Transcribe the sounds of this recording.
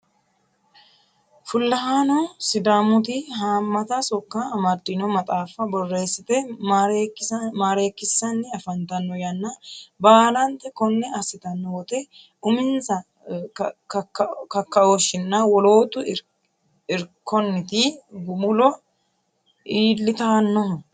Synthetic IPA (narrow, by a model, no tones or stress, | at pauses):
fʊlːɐɦaːnɔsɪd̪aːmʊt̪ɪɦaːmːɐt̪ɐsɔkːaːmɐd̪ːɪnɔmɐt̪ʼaːfɐbɔrːe̞ːsːɪt̪ɛ | maːɾe̞ːkːɪsːɐnːɪɐfɐnt̪ɐnːɔjɐnːɐbaːlɐnt̪ɛkɔnːɛɐsɪt̪ɐnːɔwɔt̪ɛ | ʊmɪnzɐ | kɐkːɐoʃɪnːɐwɔlo̞ːt̪ʊ | ɪɾkːɔnːɪt̪ɪɡʊmʊlɔ | iːlːɪt̪ɐnːɔh